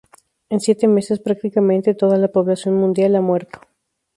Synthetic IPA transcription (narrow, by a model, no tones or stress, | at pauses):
e̞nsjet̪e̞me̞se̞spɾak̚t̪ikamẽnt̪e̞t̪o̞ðalapo̞βlasjo̞nmũnd̪jalamwe̞ɾt̪o